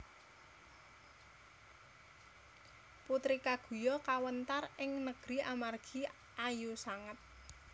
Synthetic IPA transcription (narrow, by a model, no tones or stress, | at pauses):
put̪ɾikaɡ̥ṳjɔkawənt̪arɪŋnəɡ̥ɾiʔamarɡ̥i | ʔajusaŋət̪̚